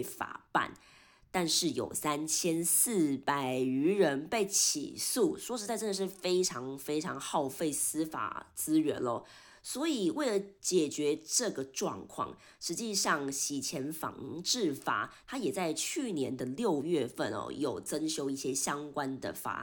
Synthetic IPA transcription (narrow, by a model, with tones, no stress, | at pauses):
ɪfa̰˨˩pa̰˥˩n | t̪a˥˧nʂɻ̩˥˩jo̰˨˩ʊsa˦nt͡ɕʰjɛ˥ns̩˥˩pa˨˩ɪy˧˥ɻə˧˦˥npe˥˩ɪt͡ɕʰḭ˨˩su˥˩sʂwɔ˥ʂɻ̩˧˥t͡sa˥˧ɪʈ͡ʂə˥˩nə˧ʂɻ̩˥˩fe˥ɪʈ͡ʂʰɑ˧˥ŋfe˥ɪʈ͡ʂʰɑ˧˥ŋxɑ˥˧ʊfe˥˩ɪsɹ̩˥fa̰˨˩t͡sɹ̩˥ɥə̰˧˥nɔ̰˦ | swɔ˧˥i˨˩we˥˩ɪlə˩t͡ɕjɛ˨˩t͡ɕɥɛ˨˧˥ʈ͡ʂɤ˥˩ɡə˩ʈ͡ʂwɑ̰˥˧ŋkʰwɑ̰˥˨˩ŋ | ʂɻ̩˧˥t͡ɕi˥˧ʂɑ˥˩ŋɕi˨˩t͡ɕʰjɛ˧˥nfɑ̰˧˥ŋʈ͡ʂɻ̩˥˩fa̰˨˩˦t̪ʰa˥jɛ˨˩t͡sa˥˧ɪt͡ɕʰy˥˩njɛ˧˥nd̪ə˧ljo˥˧ʊɥɛ˥˧fə̰˥˩nɔ̰˨˩jo˨˩ʊt͡sə˥nɕjo˥ʊi˥˩ɕjɛ˥ɕjɑ˥ŋkwa˦nd̪ə̰˨fa̰˨˩